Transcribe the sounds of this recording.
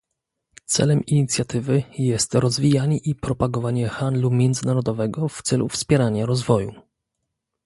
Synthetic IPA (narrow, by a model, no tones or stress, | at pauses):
t̪sɛ̰lɛmiɲit̪sʲjat̪ɘvɘjɛst̪ɾɔzvʲijaɲɛʔipɾɔpaɡɔvaɲɛxand̪lumʲjɛnd̪zɘnaɾɔd̪ɔvɛɡɔft̪sɛlṵfspʲjɛɾaɲaɾɔzvɔju